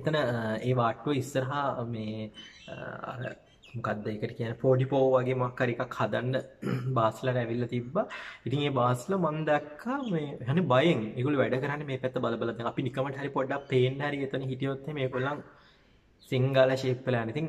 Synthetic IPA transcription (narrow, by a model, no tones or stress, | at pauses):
et̪ənəeːʋaːʈːuʋəisːəɾɐɦamḛː | a̰ɾə̰ | mokad̪ːəeːkəʈəkijanːepoːɖipoːʋaɡeːmoakːaɾikakhad̪anɖəbaːslaɾəæʋilːɐt̪ibːait̪iŋeːbaːslamand̪ɛkʰːameːeɦanːebajeŋeːɡoluʋæɖəkəɾanːemeːpæt̪ːəbaləbalad̪ɛŋapinikəməʈəɦaɾipoɖːappeːnɖəɦɐɾiet̪ənəɦiʈijot̪ːeimeːɡoluaŋ | siŋɡaːlaʃeːpːelanːeit̪iŋ